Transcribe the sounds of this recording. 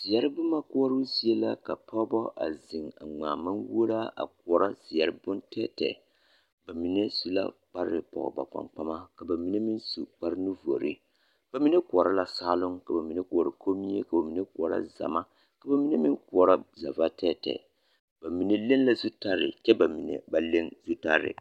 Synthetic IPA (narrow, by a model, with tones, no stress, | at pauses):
z̥i˨ja˦ɾɨ˦bʊ˦ma˦ku˦ɔ˦ɾu˦si˦e˦la̰˦ka˨pɔ˦bɔ˦ʔa̰˨zɪ˨ŋa̰˨ŋ͡maː˨ma˦nwo˦ɾa˦a̰˨k̚u˨ɔ˨ɾa˦zi˨ja˨ɾɨ˦bʊ˦ntɛ˦tɛ̰˨ | ba˨mi˨nɛ˦su˦la̰˦k͡pa˦ɾɾɨ˨pɔ̰˨ɣʊ̰˨ba̰˨k͡pa̰˨mk͡pa˦ma˦ka˨ba˨mi˦nɛ˦mi˦nsu˨k͡pa˦ɾɨ˦nu˦vo̰˨ɾḭ˨ | b̥a˦mi˦nɛ˦ku˨ɔ˨ɾa˦la˨saː˦lʊ˦ŋka˨ba˨mi˨nɛ˦ku˨ɔ˨ɾa˨kʰo˦mi˦e˦ka˨ba˨mi˨˦nɛ˦k̚ɔ˨ɾa̰˦za̰˨ma˦ | ka˨ba˨mi˦ne˦mi˦nku˨ɔ˨ɾa˦za˨va˦tɛ˦tɛ̰˨ | b̥a˨mi˨nɛ˦le˦n˦la˦zu˦ta˦ɾɪ̰˨t͡ʃɛ˦ba˨mi˨nɛ̰˨ba˦le˦ŋzu˦ta˦ɾɪ̰˨